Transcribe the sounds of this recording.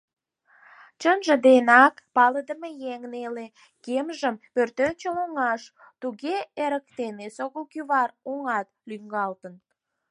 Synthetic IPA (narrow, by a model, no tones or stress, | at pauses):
t͡ɕənʒə̆d̪enɑkpɑləd̪əmejeŋnele | kemʒəmpørt̪ønt͡ɕəloŋɑʃ | t̪uɣeeɾəkt̪enesoɣəlkyβɑroŋɑt̪lyŋɡɑlt̪ən